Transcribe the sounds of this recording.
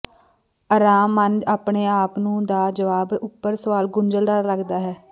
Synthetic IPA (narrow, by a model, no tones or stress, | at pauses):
əɾaːmːənd͡ʒaːpɳeːaːpnũːd̪aːd͡ʒəʋaːbʊpːəɾsəʋaːlɡʊɳd͡ʒəld̪aːɾləkd̪aːɦɛː